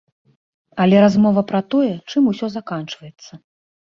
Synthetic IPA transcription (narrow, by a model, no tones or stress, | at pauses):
ɐlʲɛɾazmɔvɐpɾɐt̪ɔjɛt͡ʂɨmusʲɔzakant͡ʂvɐjɛt̪sːɐ